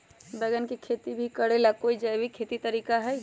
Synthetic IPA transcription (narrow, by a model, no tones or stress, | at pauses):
beɡənkekʰet̪ibʱikəɾelakoid͡ʒəjbʱikʰet̪it̪əɾikaɦəj